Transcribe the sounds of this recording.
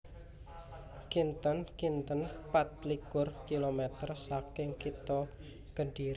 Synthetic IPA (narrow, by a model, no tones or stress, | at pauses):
kint̪ənkint̪ənpat̪̚likʊrkilomet̪ərsakɪŋkit̪ɔ | kəɳɖiɾ